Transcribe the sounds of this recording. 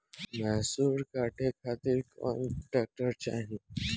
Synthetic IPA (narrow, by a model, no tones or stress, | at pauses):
mɛsuːɾkaʈʰekʰat̪iːɾkɔ̰nʈak̚ʈəɾt͡ɕaɦi